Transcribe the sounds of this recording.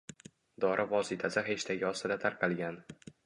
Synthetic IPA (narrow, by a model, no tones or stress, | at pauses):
d̪ɒɾʔɪvɒsit̪ʰasɪɦe̞t͡ʃt̪ʰaɡʲɪɒst̪ɪd̪at̪ʰaɾqʰɑlˠɡʲan